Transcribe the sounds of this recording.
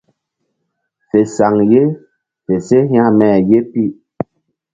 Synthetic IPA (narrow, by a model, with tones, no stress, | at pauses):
fe˨sa˨ŋje˦ | fe˨se˦ɦa˦˨mɛ˦˨je˦pi˦˨ʔ